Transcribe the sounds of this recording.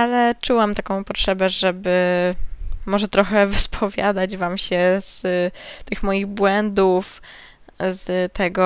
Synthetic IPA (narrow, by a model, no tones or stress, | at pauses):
alɛt͡ʂuwamt̪akɔ̃w̃pɔtʂɛbɛʐɛbɘ | mɔʐɛt̪ɾɔxɛvɘspʰɔvʲja̰d̪ad͡ʑvamɕɛz̥t̪ɘxmɔjiɣbwɛnd̪uf | zt̪ʰɛɡɔ